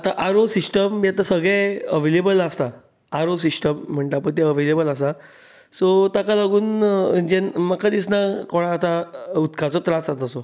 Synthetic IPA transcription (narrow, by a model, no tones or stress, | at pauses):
at̪aʔaɾosisʈəmːiat̪əɾsəɡɭɛ̃əʋelebəlast̪a | aɾos̬isʈəm̤ːəɳʈaapəɳt̪eəʋelebəlas̬a | sɔt̪akalaɡuːnd͡ʑenməkkad̪isnakɔɽ̃aːt̪aut̪kʰat͡sɔt̪ɾasat̪asɔ